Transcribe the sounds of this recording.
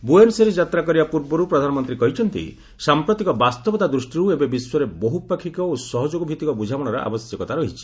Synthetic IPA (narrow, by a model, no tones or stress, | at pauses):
buemseɾed͡ʒat̪ɾakɔɾibapuɾbɔɾupɾɔd̪ʱanɔmɔnt̪ɾikɔɦit͡ʃʰɔnt̪ḭ | sampɾɔt̪ikɔbast̪ɔbɔt̪ad̪ɾusʈiɾuebebiswɔɾebɔɦupakʰikɔosɔɦɔd͡ʒoɡɔbʱit̪ikɔbud͡ʒʱawɔɽ̃ɔɾɔʔa̰bɔsjɔkɔt̪aɾɔɦit͡ʃʰi̥